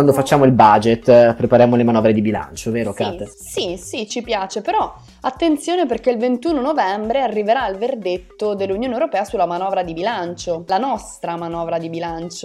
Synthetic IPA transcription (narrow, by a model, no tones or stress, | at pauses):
and̪ofat͡ʃːaːmoilbad͡ʒet̪ːpɾepaɾjaːmolemanɔːvɾed̪ibila̰nt͡ʃoveːɾokat̪e | sisit͡ʃipjaːt͡ʃepeɾɔ | at̪ːent̪sjoːneperk̟eilvent̪uːnonovɛmbɾearːiveɾaːlverd̪et̪ːod̪elːunjoːnewɾopɛːasulːamanɔːvɾad̪ibilant͡ʃolanɔst̪ɾamanɔːvɾad̪ibilant͡ʃo